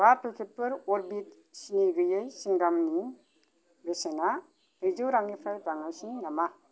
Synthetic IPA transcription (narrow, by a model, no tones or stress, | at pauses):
bapʰekʰet̚pɯɾoɾbit | siniɡɯjɯjsiŋɡamni | besena | ɯjzɯwɾaŋipʰɾajbaŋasinama